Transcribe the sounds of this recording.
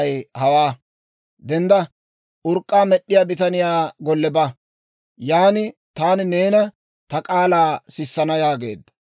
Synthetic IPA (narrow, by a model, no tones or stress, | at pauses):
ɐjhɐwaː | d̪ɛnd̪ɐ | ʔʊɾkʼːaːmɛɗːɪjaːbɪt̪ɐnɪjaːɡɔlːɛbɐ | jaːnɪt̪aːnne̞ːnɐ | t̪ɐkʼaːlaːsɪsːɐnɐjaːɡe̞̰ːd̪ːɐ̥